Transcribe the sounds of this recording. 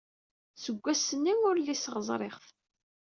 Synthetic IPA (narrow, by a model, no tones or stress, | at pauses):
səɡʷːæsənːimʊɾlisəʁəzˤɾˤḛχθ